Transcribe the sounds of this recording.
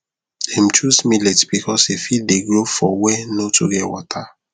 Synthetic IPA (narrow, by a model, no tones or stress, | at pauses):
im̩t͡ʃusmiletbikʰɔsefit̚deɡɹofɔwɛnotʰuɡɛwɔtʰa